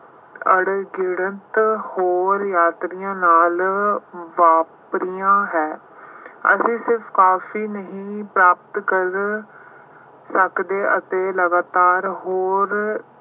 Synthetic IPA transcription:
əɽɡɪɽənt̪hoːɾjaːt̪ɾɪjãːnaːl | ʋaːpɾijãːɦɛː | ə̰sĩːsɪɾfʰkaːfʰiːnəɦĩːpɾaːpt̪kəɾ | səkd̪eːʔət̪eːləɡaːt̪aːɾɦoːɾ

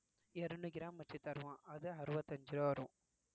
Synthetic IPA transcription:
ɛɾɯɳɯɡɪɾaːmʋɐt͡ʃːit̪ɐɾʋãːʔɐðɯɐɾɯʋɐt̪ːɐɲd͡ʒɪɾoːɐɾũː

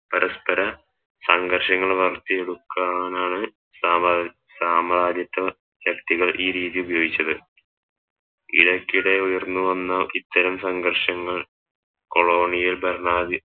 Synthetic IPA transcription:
pɐɾɐspɐɾɐ | sɐŋɡɐrɕɐŋːɐɭʋɐrt̪ːieɽukːanaːɳɨ | saː | saːmɐɾaːd͡ʑ̪jɐt̪ːɐ | ɕɐkt̪iɣɐɭʔiːɾiːðiubɐjo̞ːɡit͡ɕːɐðɨ | ḭɽɐkʲːiɽe̞ujɐrnːuʋɐnːɐlit̪ːɐɾɐmsɐŋɡɐrʂɐŋːɐɭ | ko̞ɭo̞ːɳijilbɐrɳaːði

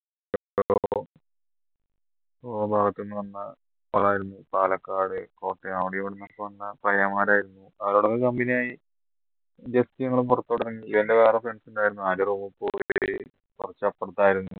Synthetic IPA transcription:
eɾo | ɐbʱaːɡɐt̪ːionːɨʋɐnːɐ | pɐɭaːjiɾunːupaːlɐkːaːɽɨko̞ːʈːeɐwɽijoʋɐɽenːɐpːɐɐnːɐpɐjɐmaːɾaːjiɾunːuɐʋɐɾoːɽok̪ːekɐmbinijaːji | d͡ʑest̪ijɐŋːɐɭpurɐt̪ːoːɽɐɾɐnːiiʋendeʋeːrɐfeɳsunɖaːjiɾunːuaːɾɐruːmɐpːoːj | kurɐt͡ɕːapːeɽut̪ːaːjiɾunːu

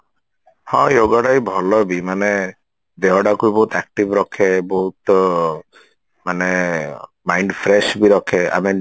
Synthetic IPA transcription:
hɔ̃joɡɔɽajbʱɔlɔbimane | d̪eɦɔɽakujbɔɦut̪ɛk̚ʈibɾɔkʰeboɦut̪ | mane | majɳɖpʰɾeʃbiɾɔkʰea̰me

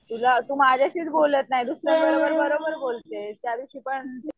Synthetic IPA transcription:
t̪ulat̪uːmad͡ʑʱjaɕiːt͡s̪bolət̪naɦjd̪usɾəbəɾobəɾbəɾobəɾbolt̪et̪jaʋiɕiːpəɳ

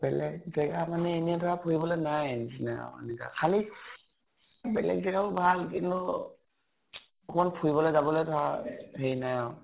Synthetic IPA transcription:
b̥ɛlɛɡ̚zɛɡamanɛːniatʰɔɹapʰuibɔlɔnajnzinajɔ̰ḛnika̰kʰali | bɛlɛ̰ɡzɛɡabɔbʱalkintʊ | ɔkmɔnpʰuibɔlɔzabɔlejtʰɔaheinajɔ̃

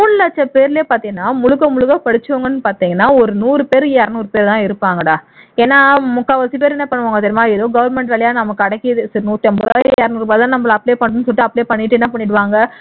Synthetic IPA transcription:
muːnlɐt͡ʃːɐpeːɾɪleːpaːɾt̪iːŋɡɐnːaːmʊɻʊɣɐmʊɭɯɣɐpɐɽɪt͡ʃːɯʋɐŋɡɐnːɯpaːɾt̪iːŋɡɐnːaːɔɾɯnuːɾɯpeːɾjɛɾɐnuːɾɯpeːɾt̪ãːɪɾɯpːaːŋɡɐɽaːeːnːaːmʊkːaːʋɐsip̬eːɾɛnːɐpɐɳːɯʋaːŋɡɐt̪ɐɾɪmaːɪðoːɡɐʋɐɾmɛɳʈʋɛɭɐjaːnɐmɐkːɯɐɽɐkːɪðɯsɐɾnuːɾʈːɛmbɯɾ̰ɛɾɐnuːɾɯbɐːðt̪ãːnɐmbɐɭɐpːɭeːpɐɳːɯnɯs̬ɔlːɪʈːɯɐpːɽeːpɐɳːɪʈːɛnːɐpɐɳːɪʈɯʋaːŋɡɐ

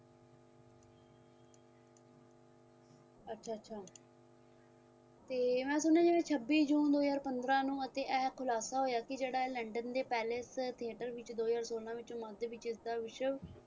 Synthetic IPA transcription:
ətːʃʰaːətːʃʰaː | t̪eːmɛ̃ːsʊnːãːd͡ʒɪʋẽːt͡ʃʰəbːiːd͡ʒũːnd̪oːzaːɾpənd̪ɾãːnũːət̪eːʔɛːkʰʊlaːsaːɦoːjaːkɪd͡ʒeːɽaːɛləɳɖənd̪eːpɛːlest̪ʰiəːʈəɾʋɪt͡ʃd̪oːzaːɾsoːlãːʋɪt͡ʃõməd̪ʋɪt͡ʃɪsd̪aːʋɪʃəʋ

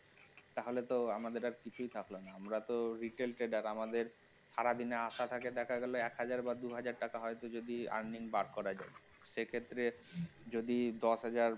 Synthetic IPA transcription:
t̪aɦolet̪oamad̪eɾaɾkit͡ɕʰujt̪ʰaklonaamɾat̪oɾiʈelʈɾeɖaɾamad̪eɾ | ʃaɾad̪ineaʃat̪ʰaked̪ɛkʰaɡɛloɛkɦad͡ʑaɾbad̪uɦad͡ʑaɾʈakaɦɔet̪od͡ʑod̪ia̰ɾniŋbaɾkɔɾad͡ʑae | ʃekʰet̪ːɾed͡ʑod̪id̪ɔʃɦad͡ʑaɾ

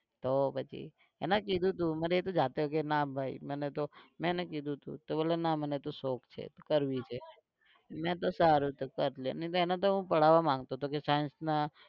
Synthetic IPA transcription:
t̪opət͡ʃʰḭ | ḛnãkid̪ʱũt̪ũmaɾeet̪od͡ʒat̪eok̬enabʱaḭmənet̪omɛ̃enakid̪ʱũt̪ṵ̃t̪obəlenamənet̪osokt͡ʃʰḛt̪okəɾʋit͡ʃʰe | mɛ̃t̪osaɾut̪okəɾlenəĩt̪oenãt̪̬oɦũpəɽ̤aʋamãŋɡt̪ot̪okesajə̃nsna

